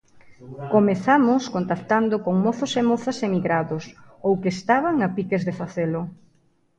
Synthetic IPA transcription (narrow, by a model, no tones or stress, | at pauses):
komeθamʊskont̪akt̪and̪ʊkoŋmoθosemoθasemiɣɾaðos | owkeːst̪aβaŋapikezðefaθelʊ